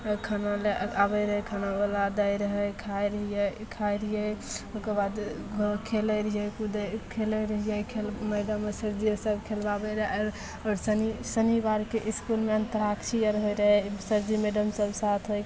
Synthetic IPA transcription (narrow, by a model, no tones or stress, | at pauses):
kʰənaleabəɾəɦkʰənabəlad̪əjɾəɦɛjkʰajɾəɦijɛkʰajɾijɛokəbad̪ | ɡʱokʰeləɾɦjɛkud̪kʰeləɾəɦijəkʰelmɛɖəmːəsəɾd͡ʒiəsəbkʰelbabəɾɦɾ | ɔɾsənisənibaɾkeʔiskulmeənt̪əɾakʰt͡ʃʰijəɾɦojɾəɦɛsəɾd͡ʒimeɖəmsəbsat̪ʰɦoj